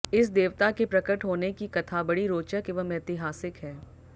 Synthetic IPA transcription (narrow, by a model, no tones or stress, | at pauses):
ɪs̬d̪eːʋt̪akepɾɐkəʈɦoːnekikɐt̪ʰaːbɐɽiɾoːt͡ʃəkeʋɐmɛːt̪ɪɦaːsɪkɦɛː